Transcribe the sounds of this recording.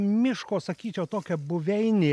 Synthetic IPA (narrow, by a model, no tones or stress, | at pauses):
mʲɪʃkoːsɐkʲiːt͡ʃʲɛʊt̪oːkʲɛbʊʋʲɛɪnʲeː